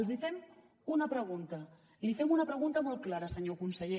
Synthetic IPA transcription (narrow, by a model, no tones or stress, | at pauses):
lˠzifɛm | unəpɾəɣ̞unt̪ə | lifɛmunəpɾəɣunt̪əmɔl̚ˠklaɾəsəɲokunsəʎe